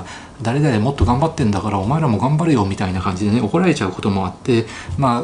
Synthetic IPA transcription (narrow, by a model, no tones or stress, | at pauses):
d̪aɾe̞d̪aɾemo̞t̪ːo̞ɡãmbat̪ːẽ̞nd̪akaɾao̞maeɾamo̞ɡãmbaɾɯ̟jo̞ːmʲit̪ainakãɲ̟d͡ʑid̪e̞neo̞ko̞ɾae̞t͡ɕaɯ̟ko̞t̪o̞mo̞at̪ːe̞ | maː